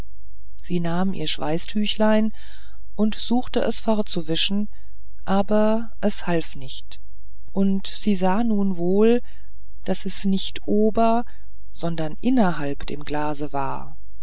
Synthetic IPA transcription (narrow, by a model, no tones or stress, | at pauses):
z̥iːnaːmʔḭːɐʃv̥a̰ɪstʰyːçlaɪn | ʔʊntz̥uːxtəʔɛ̰sfɔʁtt͡suvɪʃn̩ | ʔaːbɐ | ʔɛshalfnɪçt | ʔʊntz̥iːzaːnuːnvoːl | d̥asɛsnɪçtʔoːbɐ | z̥ɔndɐnʔɪnɐɦalpd̥ḛːmɡlaːzəva̰ːɐ